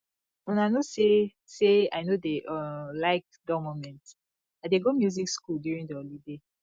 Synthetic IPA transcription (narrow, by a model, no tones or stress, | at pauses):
wɛ̃nanose | sea̰ɪnodeʔɔlaɪk̚dɔmomɛ̃nt | adeɡomjuzikskuldjuɹĩŋdiɔlide